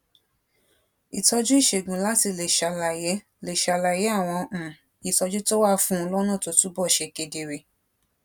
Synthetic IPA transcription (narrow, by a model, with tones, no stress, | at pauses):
i˨tɔ˧d͡ʒu˦i˦˨ʃe˨ɡũ˨la˦ti˧le˨ʃa˧la˨jɛ˨˦ | le˨ʃa˧la˧˨jɛ˨˦a˦˨w̃ɔ̃˧˨ | i˨tɔ˧d͡ʒu˦to˦wa˦fũ˦˧lɔ˦nũ˦˨to˧˦tu˦bɔ˦˨ʃɛ˧ke˧de˧ɾe˧˨